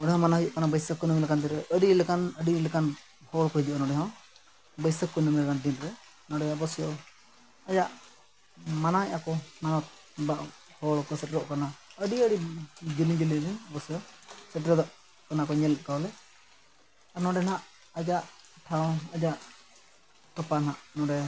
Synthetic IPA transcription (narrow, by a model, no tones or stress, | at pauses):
nɔ̃ɖɛɦɔ̃manaɦid͡ʒuʔkanabəjsəkːɔnəmlɛkant̪iɾɛʔəɖilɛkanəɖilɛkan | hɔɭkɔɦid͡ʒuʔnɔ̃ɖɛɦɔ̃ | bəjsəkːɔnəmɛlɛkandinɾɛ | nɔ̃ɖɛjabɔsijɔ | ajaʔ | manaɛʔakɔmanɔt̪̚ | baʔ | hɔɭkɔsɛʈɾɔʔkanaəɖiəɖid͡ʒiliɲd͡ʒilidinbɔsjɔsɛʈ̬ɾɔd̪ɔʔ | kanakɔɲɛlɛkawlɛ | anɔ̃ɖɛnaʔ | ad͡ʒaʔʈʰawɔ̃ad͡ʒaʔ | t̪ɔpanaʔnɔ̃ɖɛ